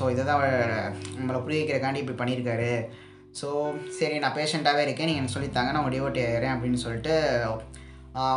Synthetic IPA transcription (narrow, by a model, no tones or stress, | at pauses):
soːɪðɐt̪ãːɐʋɐɭnɐmːɐlɐpʊɾɪʋɐkːɪɾɐkaːɳɖiɪpːɐɽipɐɳːɪɾɯkːaːɾɯ | soːsɐɾinãːpeːʂɛɳʈaːʋeːɪɾɯkːẽːniːŋɡɐnːɐsɔlːɪt̪ːaːŋɡɐnːaːʊ̃ŋɡɐɖɪʋoːʈːeɾẽːɐp̬ːɐɽɪnːɯsɔlːɪʈːɯ